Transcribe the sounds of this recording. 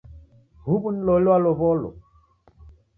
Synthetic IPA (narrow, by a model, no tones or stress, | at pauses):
hubunlolaloβɔlo̰